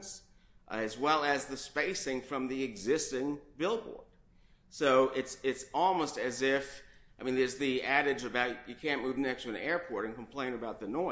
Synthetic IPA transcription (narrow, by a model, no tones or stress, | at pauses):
ns | ɨzwɛlˠɨzðɨspeɪsɪ̃ŋfɹʌ̃mðiɨɡzɪstɪ̃ŋbɪlˠbɔ̰ɹd̥ | soʊʔɪtsɪtsɔlˠmoʊstɨzɪfaɪmĩnðə˞zðiæɾɨd͡ʒɨbaʊt͡ʃɨkʰæ̃nmʉvnɛkstɨ̃nɛɹpʰɔɹɾɨ̃nkm̩pʰl̥ẽɪ̃nɨbaʊt̪̚ðɨnɔɪ